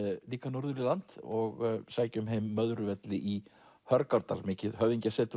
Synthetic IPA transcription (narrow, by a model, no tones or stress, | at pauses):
liːkanuɾðʏɾilant̪ɔɣsaːjcʏmɦejmːœðɾʏvɛt̪lɪʔi | hœɾkaɾt̪a̰lmɪːcɪðhœviɲcasɛːt̪ʏ